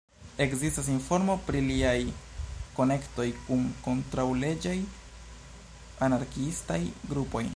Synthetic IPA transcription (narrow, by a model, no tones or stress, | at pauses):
e̞kzistas̬info̞ɾmo̞pɾiliajko̞ne̞kto̞jkunko̞ntɾawle̞d͡ʒaj | anaɾkiistajɡɾupo̞j